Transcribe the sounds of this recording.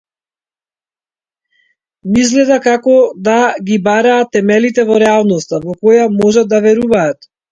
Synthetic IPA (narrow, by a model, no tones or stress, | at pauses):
mizɡlɛd̪akakɔd̪aɡibaɾaːt̪ːɛmɛlit̪ɛvɔɾɛalˠnɔst̪avɔkɔjamɔʒad̪̚d̪avɛɾuvaːt̪